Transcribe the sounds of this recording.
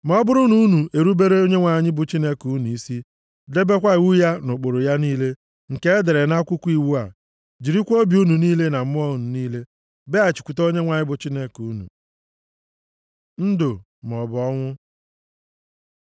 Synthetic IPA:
mɔ˨˦bʊ˦ɾʊ˦nu˨u˦nu˨ʔe˨ɾu˦be˦ɾe˦o˦ɲe˦ŋʷa˨ɲɪ˦bʊ˨t͡ʃi˦ne˦ku˨˦nu˨i˦si˦ | de˦be˦kʷa˦i˨wu˦ja˦nʊ˨k͡pʊ˨ɾʊ˨ja˦niː˦le˦ | ŋ̩˨ke˦e˦de˨ɾe˨na˦kʷʊ˦kʷi˨wu˦a̰˨ | d͡ʒi˨ɾi˦kʷo˦bi˨u˦nu˨niː˦le˦na˨m̩˦mʊ˦ɔ˦˨nu˨niː˦le˦ | be˦a˨t͡ʃi̥˨kʷu˨to˦ɲe˦ŋʷa˨ɲɪ˦bʊ˨t͡ʃi˦ne˦ku˨˦nṵ˨ | n̩˦dʊ˨ | m˨ɔ˨bʊ˨ɔ˦ŋʷʊ˦

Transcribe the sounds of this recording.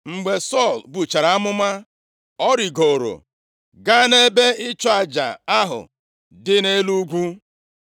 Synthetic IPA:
ŋ͡m̩˨ɡ͡be˨sɔ˦˨lbu˨t͡ʃa˨ɾa˨a˦mʊ˦ma˦ | ɔ˦ɾi˨ɡo˨ɾo̰˨ | ɡa˦ne˦be˦ɪ˦t͡ʃɔ˦a˨d͡ʒa̰˨a˦ɦʊ̰˨ | dɪ˦ne˦lu˦ɡʷu˦

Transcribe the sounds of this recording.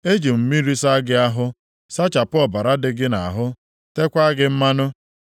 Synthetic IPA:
e˦d͡ʒi˨m̩˨mi˦ɾi˦sa˦ɡɪ˦a˦ɦʊ˦ | sa˦t͡ʃa˨pʊ˦ɔ˨ba˨ɾa˦dɪ˦ɡɪ˦na˨a˨ɦʊ˦ | te˦kʷa˦ɡɪ˦m̩˦ma˦nʊ˦

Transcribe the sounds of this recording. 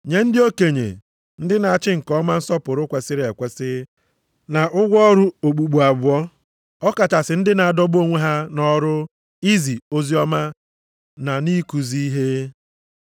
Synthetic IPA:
ɲe˨n̩˦dɪ˦o˦ke˨ɲḛ˨ | n̩˦dɪ˦na˨a˨t͡ʃɪ˦ŋ̩˨kɔ˦ma˦n̩˦sɔ˦pʊ˨ɾʊ˦kʷe˨sɪ˦ɾe˨kʷe˦sɪ˦ | na˨ʔʊ˦ɡʷɔ˦ɾʊ˦o˨ɡ͡bu˨ɡ͡bu˨a˨bʊ˦ɔ˦ | ɔ˦ka˨ta˨sɪ˨˦n̩˦dɪ˦na˨a˨dɔ˦bo˦ŋʷe˦ɦa˦nɔ˦ɾʊ˦ | i˦zi˨o˦zi˦ɔ˦ma˦ | na˨ni˦ku˨zi˦i˦ɦe˦

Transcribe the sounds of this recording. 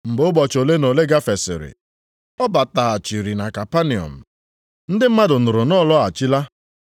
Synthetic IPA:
m̩˨bʊ˦bɔ˨t͡ʃo˨le˦no˨le˦ɡa˦fe˨sɪ̰˨ɾɪ̰˨ | ɔ˦ba˨ta˨a˨t͡ʃi˨ɾi˨na˨ka˨pa˦ni˨ɔ̰˨m̩˨ | n̩˦dɪ˦m̩˦ma˦dʊ˨n̩ʊ˨ɾʊ˨nɔ˦˨lɔ˦a˨t͡ʃi˦la˦

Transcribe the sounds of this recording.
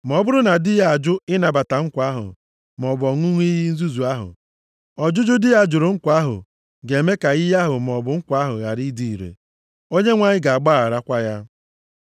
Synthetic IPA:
m˨ɔ˨˦bʊ˦ɾʊ˦na˨dɪ˦ja˨a˨d͡ʒʊ˦ɪ˦na˨ba˨ta˨ŋ̩˦kʷa˦ɦʊ̰˨ | m˨ɔ˨bɔ˨ŋʷu˦ŋʷ˦i˦ɣi˦n̩˦zu˦zu˨a˦ɦʊ̰˨ | ɔ˨d͡ʒʊ˦d͡ʒʊ˦dɪ˦ja˦d͡ʒʊ˨ɾʊ˨ŋ̩˦kʷa˦ɦʊ̰˨ | ɡe˨me˦ka˨i˦ja˦ɦʊ˨m˨ɔ˨bʊ˨ŋ̩˦kʷa˦ɦʊ˨ɣa˨ɾi˦di˨i˨ɾḛ˨ | o˦ɲe˦ŋʷa˨ɲɪ˦ɡa˨a˨ɡ͡ba˦a˨ɾa˦kʷa˦ja˦

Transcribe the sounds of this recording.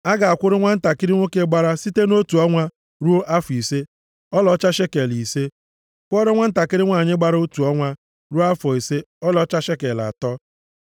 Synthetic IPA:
a˦ɡa˨a˨kʷʊ˦ɾʊ˦ŋʷa˦n̩˦ta˨kɪ˦ɾɪ˦ŋʷo˦ke˦ɡ͡ba˦ɾa˦si˦te˦no˦tu˨ɔ˦ŋʷa˦ | ɾu˦o˦ʔa˦fi˨se˦ | ɔ˦lɔ˨˦t͡ʃa˦ʃe˦ke˨li˨se˦ | kʷɔ˦ɾɪ˦ŋʷa˦n̩˦ta˨kɪ˦ɾɪ˦ŋʷa˦˨ɲɪ˦ɡ͡ba˦ɾo˦tu˨ɔ˦ŋʷa˦ | ɾu˦a˦fɔ˨i˨se˦ɔ˦lɔ˨˦t͡ʃa˦ʃe˦ke˨la̰˨tɔ˦

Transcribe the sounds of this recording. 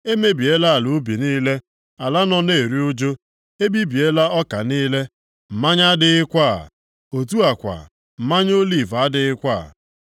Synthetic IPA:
e˦me˦bi˨e˦la˦a˨lu˨˦bi˨ni˦le˦ | a˨la˦nɔ˦ne˦˨e˨ɾi˦o˦d͡ʒo˦ | e˦bi˦bi˨e˦la˦ɔ˦ka˨niː˦le˦ | m̩˨ma˦ɲa˦dɪ˦ɪ˦kʷa˦˨ | o˨tu˦a˨kʷa̰˨ | m̩˨ma˦ɲ˦o˦li˦˨va˦dɪ˨ɪ˦kʷaː˦˨

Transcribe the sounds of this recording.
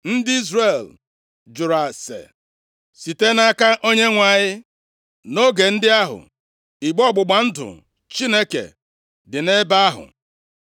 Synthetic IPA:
n̩˦dɪ˦i˦zre˨l | d͡ʒʊ˨ɾa˨sḛ˨ | si˨te˦na˦ka˦ʔo˦ɲe˦ŋʷa˨ɲɪ˦ | no˦ɡe˨n̩˦dɪ˦a˦ɦʊ̰˨ | i˨ɡ͡bɔ˦˨ɡ͡bʊ˨ɡ͡ba˨n̩˦dʊ̰˨ | t͡ʃi˦ne˦kḛ˨ | dɪ˨ne˦ba˦a˦ɦʊ̰˨

